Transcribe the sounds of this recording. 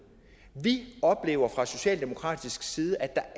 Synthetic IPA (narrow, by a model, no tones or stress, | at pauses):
ʋiɒ̽b̥le̝̰ːʊɐfʁɑ̈so̝ɕɛ̰ːld̥e̝mo̝kʰʁɑ̰̈ːd̥isɡ̥siːð̞ˠəʔæd̥ɑ̈